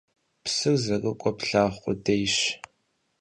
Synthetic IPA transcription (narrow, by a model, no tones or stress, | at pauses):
psɨɣzrɐkʼɨkʷʼɔpɬaːχʷqʷʼʊ̰dejʃ